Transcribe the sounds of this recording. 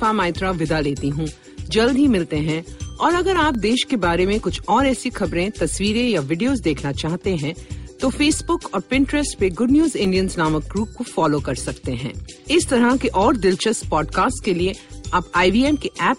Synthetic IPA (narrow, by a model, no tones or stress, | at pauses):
famaːɪt̪ɾaʋɪd̪aleːt̪iɦũ | d͡ʒɐld̪ʱɦimɪlt̪eɦɛ̃ɔːɾɐɡəɾaːp̚d̪eːʃkebaːɾemẽkʊt͡ʃʰɔːɾɛːsixɐbɾẽt̪ɐswiːɾẽjaʋɪɖijoːzd̪eːkʰnat͡ʃaːɦt̪eɦɛ̃t̪ofeːsbʊkɔːɾpɪ̃ɳʈɾɛsʈpeɡʊɖnjuːzɪ̃ɳɖijənsnaːmək̚ɡɾuːp̚kofɔːloːkɐɾsɐkt̪eɦɛ̰̃ːɪst̪ɐɾəkeʔɔːɾd̪ɪlt͡ʃəspɔːɖkaːsʈkelieaːpaːɪbiːɛːmkiʔɛːp